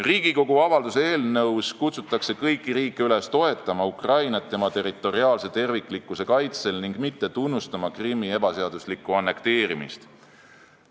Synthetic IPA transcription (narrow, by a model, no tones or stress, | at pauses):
riːɡ̥iko̞ɡ̥uɑvɑld̪̥usee̞ːlnɤwskut̪sut̪ːˑɑkse̞kɤjkːˑiɾiːkːe̞yle̞st̪o̞e̞t̪ːˑɑmɑukrɑjnɑt̪ːe̞mɑt̪e̞rit̪ːˑo̞ɾiɑːlse̞t̪e̞rvikˑlikːˑuse̞kɑjt̪se̞lniŋɡ̥mit̪ːe̞t̪unːust̪ɑmɑkrimːie̞b̥ɑse̞ɑd̪̥uslikːˑuɑnːe̞kt̪e̞ːɾimḭst̪